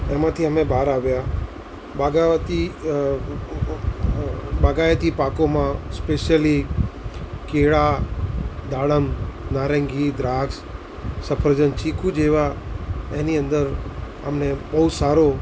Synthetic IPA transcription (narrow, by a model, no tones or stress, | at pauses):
ɛmãt̪ʰiəmebʱaːɾaʋja | baɡat̪i | baɡajət̪ipakomãspeʃjəli | keɭa | d̪aɭəmnaɾə̃ŋɡid̪ɾaks | səpʰəɾd͡ʒənt͡ʃikʰud͡ʒeʋaeniə̃nd̪əɾ | ə̰mnebəɦusaɾo